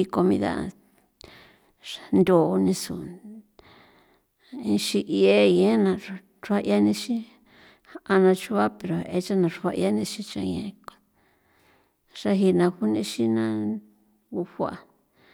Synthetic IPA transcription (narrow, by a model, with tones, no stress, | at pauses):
i˧ko˧mĩ˧ða̰˦˨ | nd̪o˨˧nĩ˧sṵ˨ | ĩ˧ʃi˧ʔi˧˦e˦jẽ˦nã˧˨ | ʐu˧˦a˦ʔja˦nĩ˧ʃĩ˦ | a˧nã˧t͡ʃu˦βa˦pe˨ɾo˨e˧t͡ʃa˦nã˧ʐa˧ʔj̰a˦nĩ˧ʃĩ˧t͡ʃã̰˧jẽ˧ | ʂa˦ɦi˧nã˧hu˦nĩ˧˦ʃi˦nã˧˦ | u˧hʷa̰˧